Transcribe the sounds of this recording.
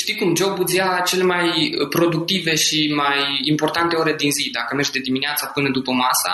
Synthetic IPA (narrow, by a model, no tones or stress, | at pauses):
ʃt̪ijkumd͡ʒo̞wbud̪zijat͡ʃe̞le̞majpɾo̞d̪uk̚t̪ive̞ʃimajimpo̞rt̪ant̪e̞oɾed̪inzid̪akəme̞rʒd̪e̞d̪imineat̪sapɨnəd̪upəmasa̰